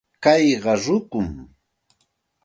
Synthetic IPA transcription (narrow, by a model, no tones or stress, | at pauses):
kɑjɢɑɾʊkʊm